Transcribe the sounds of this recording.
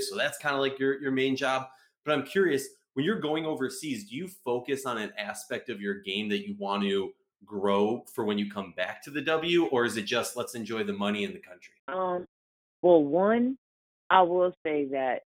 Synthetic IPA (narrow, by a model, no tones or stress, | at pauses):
soʊðætskʰãɪ̃ndəlaɪkjə˞jə˞mẽɪ̃nd͡ʒɑb̚ | b̥ʌɾãɪ̃mkʰj̥ʊɹiɨs | wɨ̃njə˞ɡoʊɪ̃ŋoʊvə˞sizdɨjɨfoʊkɨsn̩ɨ̃næspɛk̚tʌvjə˞ɡẽɪ̃mðɨt͡ʃɨwɑ̃nɨ | ɡɹoʊfə˞wɨ̃njɨkʰʌ̃mbæk̚tʰɨðɨdʌbl̩ˠjʉʔə˞ɨzɨt̚d̥ʒ̥ʌstˡlətsɨ̃nd͡ʒɔɪðɨmʌñiɨ̃nðɨkʰʌ̃nt͡ʃɹ̥iʔʌ̃m | wɛlˠwʌ̃n | ʔaɪwɪlˠseɪðɨt̚